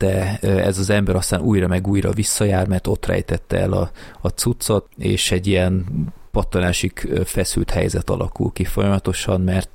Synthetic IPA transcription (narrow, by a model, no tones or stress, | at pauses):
d̪̥ɛɛ̰zɒzɛmbɛɾɒst̪aːnʔuːjrɒmɛɡuːjɾɒvisːɒjaːrmɛrt̪o̞t̪rɛ̰jt̪ɛt̪ːɛɛlɒ̰ɒt̪sut̪so̞t̪ḛːʃɛɟːijɛnpɒt̪ːonaːʃikfɛsylt̪hɛ̰jzɛt̪ɒ̰lʔɒ̰kṵlkifo̞jɒmɒt̪o̞ʃɒmmɛrt̪